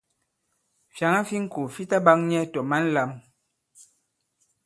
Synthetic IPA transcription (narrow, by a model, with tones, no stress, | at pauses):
fja˨ŋa˦fi˦ŋ̩˦ku˨fi˦ta˦ba˦ŋɲɛ˦tɔ˨ma˦n̩˦la˦m